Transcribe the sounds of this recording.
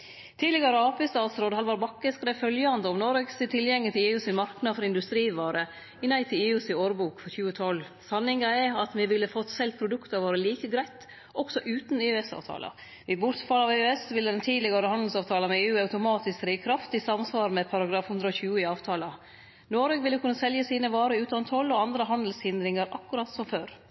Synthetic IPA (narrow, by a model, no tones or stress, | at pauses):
t̪ʰiːlɪɡɑɾəɑːpɪst̪ɑːt̪sɾoːd̪əhɑlʋɑːɾbɑkːəskɾefœljəɑnd̪əɔmnɔɾɛɡsɪt̪ʰɪljɛŋːɪt̪ɪleːʉːsɪnmɑɾknɑd̪fɔɾɪnd̪ʉst̪ɾiːʋɑːɾə | ɪnæɪt̪ʰɪleːʉsɪoːɾbuːkfɔɾçʉːət̪ʰɔlː | sɑnɪŋɑɛɑt̪ʋɪʋɪlːəfɔt̪ːsɛlt̪̚pʰɾʊd̪ʉkt̪ɑʋoːɾəliːkəɡɾæɪt̪ | ʔɔɡ̥sɔʔʉːt̪n̩ɪːɛsɑ̰ːʋt̪ʰɑ̰ːlʔə̰ | ʋɪbʊɾt̪fɑlɑʋiɛsʋɪlːəd̪ɛnt̪ʰiːd̪lɪɡɑɾəhɑnd̪l̩sɑːʋt̪ʰɑːləmɛeːʉːɑʉt̪ʊmɑːt̪ɪskɾiːkʰɾɑft̪ɪsɑmsʋɑːɾmɛpʰɑɾɑɡɾɑːfhʉnd̪ɾəɔçʉːəɪɑːʋt̪ʰɑːlɑ | noːɾəɡʋɪlːəkʰʉnːəsɛljəsiːnəʋɑːɾəʉːt̪ɑnt̪ʰhɔlːɔɑnd̪ɾəɦɑnd̪l̩shɪnd̪ɾɪŋɑɾʔɑkːʉɾɑt̪sɔmføːɾ